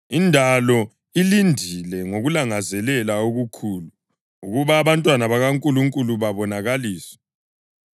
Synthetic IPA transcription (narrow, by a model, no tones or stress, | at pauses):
indʱalɔ | ilindʱilɛŋoɣulaŋazɛlɛlaoɣukʰuːlu | uɣuβaːβantʼwanaβaɣaŋkʼuluŋkʼuluβaβɔnaɣaliːsɔ̥